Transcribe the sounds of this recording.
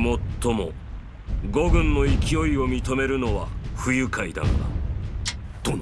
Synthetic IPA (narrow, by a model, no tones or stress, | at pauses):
mo̞t̪ʰːo̞mo̞̰ | ɡo̞ɡɯ̟̃nːo̞ikʲio̞io̞mʲit̪o̞me̞ɾɯ̟no̞βaɸɯ̟jɯ̟kaid̪a̰n̰d̪a̰